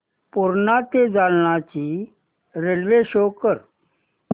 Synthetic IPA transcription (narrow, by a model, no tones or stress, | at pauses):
puɾnat̪ed͡zalnat͡ɕi | ɾelʋeɕokəɾ